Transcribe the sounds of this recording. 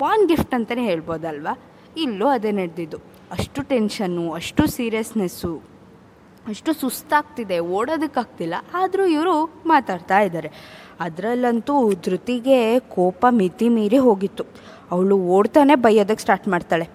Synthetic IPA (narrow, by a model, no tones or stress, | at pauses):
paːnɡifʈɐnt̪ɐneɦe̞ːɭbo̞ːd̪ɐlʋa | ilːuɐd̪eneɽd̪id̪ːu | ɐʂʈuʈe̞nʃɐnːuɐʂʈusiːɾijɐsnesu | ɐʂʈusust̪aːɡ̚t̪id̪e̞oːɽoːd̪ukːaːɡ̚t̪ilːɐʔaːd̪ɾuiʋɾumaːt̪aːɽt̪aːjid̪aːɾe̞ | ɐd̪ɾɐlːɐnt̪ud̪ɾut̪iɡe̞kɔːpɐmit̪imiːɾiɦo̞ːɡit̪ːu | ɐʋɭuoːɽt̪aːne̞bɐjːoːd̪ɐkːe̥sʈaːɾʈmaːɖt̪aːɭe̞